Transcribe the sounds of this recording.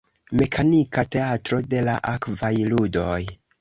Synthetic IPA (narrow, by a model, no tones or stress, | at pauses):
me̞kʰanikate̞atɾo̞de̞la̰ʔakvajludo̞j